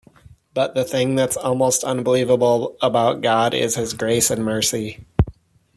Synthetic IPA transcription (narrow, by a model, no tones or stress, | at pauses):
b̥ʌt̪̚ðɨθɪ̃ŋðɨtsɔlˠmoʊstʰʌ̃nbəlivəbl̩ˠəbaʊt̚ɡ̥ɑɾɪ̰z̥ɪzɡɹeɪsɨ̃nmɜ˞si